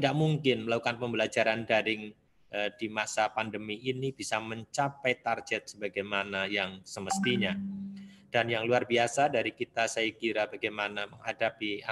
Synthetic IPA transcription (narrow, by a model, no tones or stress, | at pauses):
idaʔmuŋkɪnməlakukanpəmbəlad͡ʒaɾandaɾɪŋ | ədimasapandəmiinibisaməɲt͡ʃapajt̪arɡɛt̪̚səbaɡajmanajaŋsəməst̪iɲa | d̥anjaŋluarbiasadaɾikit̪asaikiɾabaɡajmanaməŋhadapia